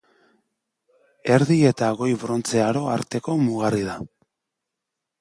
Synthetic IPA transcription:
e̞ɾðie̞t̪aɣo̞jβɾo̞nt͡se̞aɾo̞a̰ɾt̪e̞ko̞muɣarið̞a

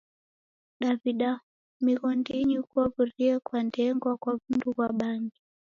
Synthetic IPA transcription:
ɗaviɗa | miɣɔndiɲiukuɔvuɾiɛkwandɛŋɡwakwavundukwaɓaŋɡi

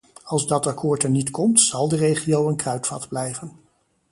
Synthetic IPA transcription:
ɑlˠzdɑtɑkʊːɹtɛɹnitkɔmtsɑlˠdərejχiowənkrœɥtfɑdblɛjvən

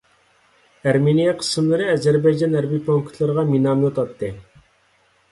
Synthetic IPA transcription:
æɾmenijɛqʰə̥sɨmlˠɨɾɨɛzæɾbɑjd͡ʒɑnæɾbipʰoŋkt̪ʰlˠɨɾəʁɑminɑmjot̪ɑt̪ʰːɨ

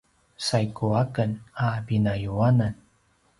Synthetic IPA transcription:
sajkuakənabinajuanan

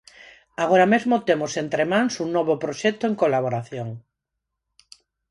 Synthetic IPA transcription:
aɣ̞oɾamezmot̪emosent̪ɾemãŋsuŋnɔβopɾoʃɛt̪oeŋkolaβoɾaθjoŋ

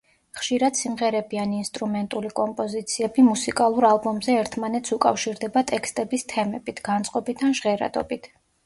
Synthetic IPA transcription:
χʃiɾad̪̥simʁɛɾɛbianinst̪ʼɾumɛnt̪ʼulikʼɔmpʼɔzit̪sʰiɛbimusikʼalˠuɾalˠbɔmzɛɛɾt̪ʰmanɛt̪sʰukʼafʃiɾd̪ɛbat̪ʼɛkst̪ʼɛbist̪ʰɛmɛbit̪ʰɡ̥ant̪sʼqʼɔbit̪ʰanʒʁɛɾa̰d̪ɔ̰bit̪ʰ

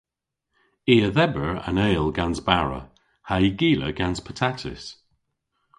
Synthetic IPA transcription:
iːəðɛbəɹə̰neːlˠɡanzbaɹə̰ | haiɡiːlə̰ɡanz̥pʰə̥tʰatʰɪ̰s

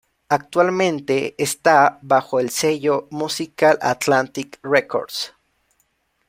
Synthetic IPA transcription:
ak̚t̪walmẽnt̪eːst̪aβaxoelseʝomusikalʔa̰t̪lant̪ikreko̰ɾd̪s

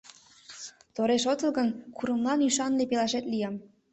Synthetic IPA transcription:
t̪oɾeʃot̪əlˠɣənkuɾə̆mlˠɑnyʃɑnlepelɑʃet̪lʲijɑm

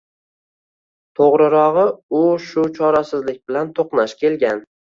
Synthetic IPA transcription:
t̪ʰoʁɾɨɾɒʁɨʊʃʊt͡ʃʰɒɾasɪzlɪk̚ʲbɪlant̪ʰoqnaʃkʲʰe̞lɡʲan

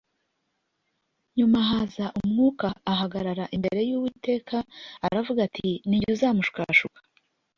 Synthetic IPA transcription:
ɲumaɦazaʔumŋuːkaːɦaɡaɾaɾaʔimbe̞̰ɾe̞juːwite̞ːkʰaːɾavuɡatʰiniɟuzaːmuʃka̰ʃukḁ

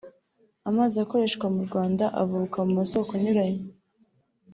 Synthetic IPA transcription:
amaːziako̞ɾe̞ːʃkɡwamuɾɡwaːndaʔa̰vukamumaso̞koɲuɾaɲe

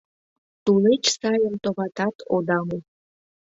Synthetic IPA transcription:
t̪ulet͡ɕsɑjəmt̪oβɑt̪ɑt̪ʰod̪ɑme

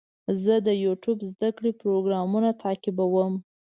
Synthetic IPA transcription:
zəd̪əjuʈjubzd̪akɽepɾoɡɾɑmunat̪ʰakɪbawəm

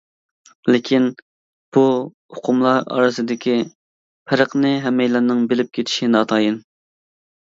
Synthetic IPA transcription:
lɪkʲʰin | b̥u | ʊqʰʊmlˠɑɾɑ̰ɾɨsɨd̪ɪkʲʰi | pʰɛɾəqnɨɦɛmːɛjlɑnɨŋbɪlɪp̚kʲʰet̪ʰɪ̥ʃinɑːt̪ʰɑːjin

